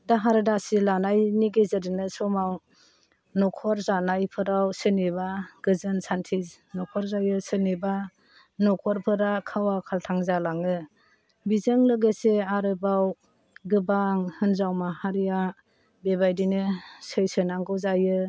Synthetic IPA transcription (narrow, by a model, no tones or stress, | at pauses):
daɦaɾɯdasilanajniɡezɯɾinɯsɔmaw | nɔkʰɔɾzanajpʰɯɾawsɯneβaɡ̥ɯzɯnsantʰiz | nɔkʰɔɾzajɯsɯneba | nɔkʰɔɾpʰɯɾakʰawakʰaltʰaŋzalaŋɯ | bizɯŋlɯɡeseaɾɯbaw | ɡɯbaŋhɯnzawmahaɾija | bebajdinɯsɯjsɯnaŋɡɯwzajɯ